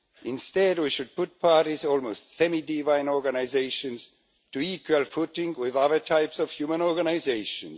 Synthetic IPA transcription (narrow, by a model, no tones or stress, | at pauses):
ʔɪ̃nstɛd̚wiʃɨd̚pʊt̚pʰɑɹɾizɔlˠmoʊstsɛmidivãɪ̃nɔɹɡanaɪzeɪʃɨ̃nz̥ | tɨikwəlˠfʊtɪ̃ŋwɪðʌðə˞tʰaɪpsɔv̥hjumə̃nɔɹɡanaɪzeɪʃə̃n